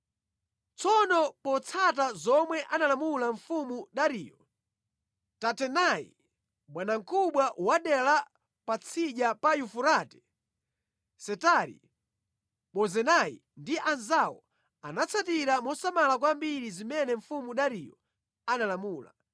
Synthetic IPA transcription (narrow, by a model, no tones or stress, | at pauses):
t͡sʰɔnɔpɔt͡sʰat̬azɔmwɛʔanalamulaɱfumuɗaɾijɔ | tatɛnaḭ | ɓwanaŋ̩kʰuɓwaʔwaɗɛla | pat͡sʰiʄapajufuɾaːtɛ̥ | sɛtaɾḭ | ɓɔzɛnaḭ | ndiʔanzawɔ̰ | a̰nat͡sʰatiɾamɔsamalak̬wambiɾizimɛnɛɱfumuɗaɾijɔ | analamuːla̰